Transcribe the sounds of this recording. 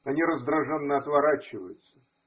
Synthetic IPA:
ɐnʲiɾəzd̪ɾɐʐɛnːəɐt̪vɐɾat͡ɕːɪvə̰jʊt̪sə̥

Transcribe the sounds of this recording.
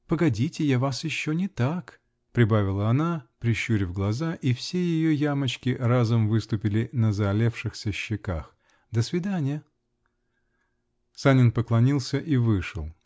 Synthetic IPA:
pəɡɐdʲitʲɪjavasjɪɕːonʲɪt̪ak | pɾʲɪbavʲɪlˠəɐnapɾʲɪɕːuɾʲvɡlˠɐzaʔifsʲejɪjojamət͡ɕkʲɪrazʊmvɨst̪ʊpʲɪlʲɪnəzɐːlʲefʂɨxsʲəɕːɪka̰x | d̪əsvʲɪd̪anʲɪjə | sanʲɪnpəklˠɐnʲilˠsʲəʔivɨʂɨ̰lˠ

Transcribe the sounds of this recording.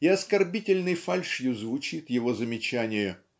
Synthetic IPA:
ɪɐskɐrbʲitʲɪlʲnɨjfalʲʂjʊzvʊt͡ɕit̪jɪvo̞zəmʲɪt͡ɕænʲɪjə

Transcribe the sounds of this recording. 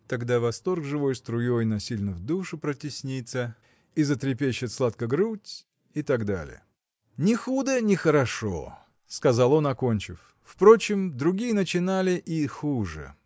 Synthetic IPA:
t̪ɐɡd̪avɐst̪o̞rɡʐɨvo̞jst̪ɾʊjojnɐsʲilʲnəvd̪uʂɨpɾətʲɪsʲnʲit̪sə | izət̪ɾʲɪpʲeɕːɪt̪slˠat̪kəɡɾutʲ | it̪ɐɡd̪a̰lʲɪ̰jə̰ | nʲɪxud̪ənʲɪxəɾɐʂo̰ | skɐzalˠo̞nɐko̞nʲt͡ɕɪ̰f | fpɾo̞t͡ɕɪmd̪ɾʊɡʲijənət͡ɕɪnalʲɪʔixuʐɨ̰

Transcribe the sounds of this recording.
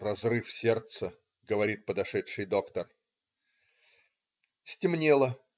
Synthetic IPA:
rɐzrɨfsʲert̪sə | ɡəvɐɾʲit̪̚pəd̪ɐʂɛtʂɨjd̪o̞kt̪ər | sʲtʲɪmnʲelˠə

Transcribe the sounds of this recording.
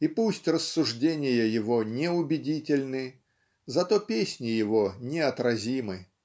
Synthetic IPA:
ipusʲtʲrəsːʊʐdʲenʲɪjəjɪvo̞nʲɪʊbʲɪdʲitʲɪlʲnɨ | zɐt̪o̞pʲesʲnʲɪjɪvo̞nʲɪɐt̪ɾɐzʲimɨ

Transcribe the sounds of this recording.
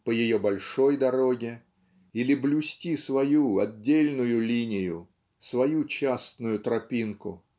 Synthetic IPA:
pəjɪjobɐlʲʂojd̪ɐɾo̞ɡʲɪ | ilʲɪblʲʊsʲtʲisvɐjuɐdʲːelʲnʊjʊlʲinʲɪjʊ | svɐjut͡ɕast̪nʊjʊt̪ɾɐpʲinkʊ̰

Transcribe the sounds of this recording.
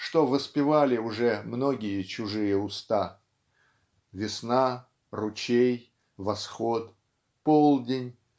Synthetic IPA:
ʂt̪o̞vəspʲɪvalʲɪʊʐɛmno̞ɡʲɪjət͡ɕʊʐɨjəʊst̪a | vʲɪsna | rʊt͡ɕej | vɐsxot̪ | polˠdʲɪnʲ

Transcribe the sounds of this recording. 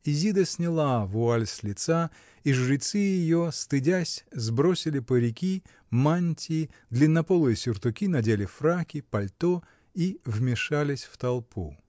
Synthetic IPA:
izʲid̪əsʲnʲɪlˠavʊalʲsʲlʲɪt̪sa | iʐɾɪt̪sɨjɪjost̪ɨdʲasʲzbɾosʲɪlʲɪpəɾʲɪkʲi | manʲtʲɪd̪lʲɪnːɐpolˠɨjəsʲʊrt̪ʊkʲinɐdʲelʲɪfrakʲɪpɐlʲt̪o | ivmʲɪʂalʲɪsʲft̪ɐlˠpʰu

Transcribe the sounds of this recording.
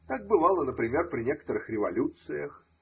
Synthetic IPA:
t̪ak̚bɨvɑlˠənəpɾʲɪmʲe̞rpɾʲɪnʲekə̥t̪əɾɨxɾʲɪvɐlʲut̪sɨjəx

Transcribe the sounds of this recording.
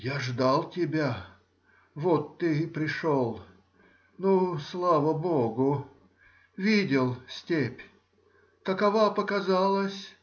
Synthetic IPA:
jaʐd̪alˠtʲɪbʲa | vot̪ːɨpɾʲɪʂolˠ | nuslˠavəboɡʊ | vʲidʲɪlˠsʲtʲepʲ | kəkɐvapəkazalˠəsʲ

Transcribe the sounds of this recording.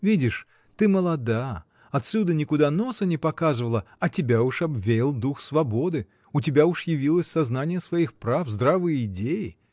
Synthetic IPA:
vʲidʲɪʂ | t̪ɨməlˠɐd̪a | ɐt̪sʲud̪ənʲɪkʊd̪ano̞sənʲɪpɐkazɨvəlˠə | ɐtʲɪbʲaʊʂɐbvʲeɪlˠd̪uxsvɐbo̞d̪ɨ | ʊtʲɪbʲauʂjɪvʲilˠəsʲsɐznanʲɪjəsvɐixpɾafzd̪ɾavɨjəɪdʲejɪ

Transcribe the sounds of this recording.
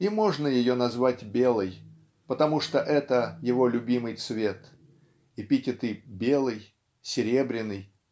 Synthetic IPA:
imo̞ʐnəjɪjonɐzvatʲbʲe̞lˠɨj | pət̪ɐmuʂt̪oʔɛt̪əjɪvo̞lʲʊbʲimɨjt̪svʲe̞t̪ | ipʲitʲɪt̪ɨbʲe̞lˠɨj | sʲɪɾʲe̞bɾʲɪnːɨj

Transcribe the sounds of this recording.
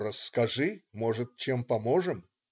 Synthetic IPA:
ɾəsːkɐʐɨmoʐɨt̪̚t͡ɕempɐmoʐɨm

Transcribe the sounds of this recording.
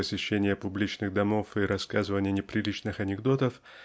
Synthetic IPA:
əsʲɪɕːenʲɪjəpʊblʲit͡ɕnɨɣd̪ɐmo̞fiɾɐskazɨvənʲɪjənʲɪpɾʲɪlʲit͡ɕnɨxɐnʲɪɡd̪o̞t̪əf

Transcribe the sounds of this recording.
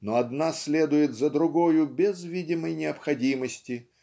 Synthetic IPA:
noɐd̪nasʲlʲed̪ʊjɪt̪zəd̪ɾʊɡojʊbʲɪzvʲidʲɪməjnʲɪəpxɐdʲiməsʲtʲɪ

